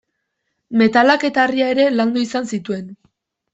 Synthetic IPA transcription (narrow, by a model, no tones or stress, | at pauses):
me̞t̪alake̞t̪aːriae̞ɾe̞land̪uisansit̪ue̞n